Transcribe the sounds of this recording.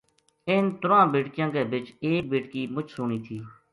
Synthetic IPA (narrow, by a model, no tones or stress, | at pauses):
ɪnt̪ʊɾãːbeːʈkɪjãːɡeːbɪt͡ʃeːk̚beːʈkiːmʊt͡ʃsʊɳiːt̪ʰiː